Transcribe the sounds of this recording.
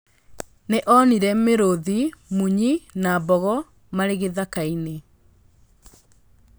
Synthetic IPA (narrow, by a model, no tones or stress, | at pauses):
neʔɔniɾɛmeɾoðimuɲinabɔɣɔ | maɾeɣeðakaine